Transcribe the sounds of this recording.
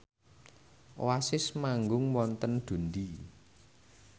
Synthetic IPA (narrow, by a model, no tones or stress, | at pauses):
wasɪsmaŋɡʊŋmɔnt̪ənɖ̪̥ṳnd̪i